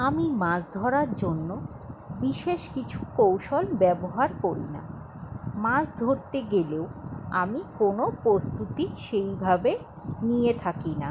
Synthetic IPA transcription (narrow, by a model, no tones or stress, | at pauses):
amimãsd̪ʱɔɾaɾd͡ʑonːo | biʃeʃkit͡ɕʰukowʃolbɛboɦaɾkoɾḭna̰ | mãsd̪ʱoɾt̪eɡeleoa̰mikonopɾost̪ut̪iʃejbʱabe | nijet̪ʰakina